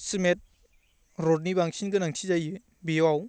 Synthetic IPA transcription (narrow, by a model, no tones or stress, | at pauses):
simet̚ | ɾɔd̚nibaŋsʰinɡɯnaŋsʰizajɯ | biaw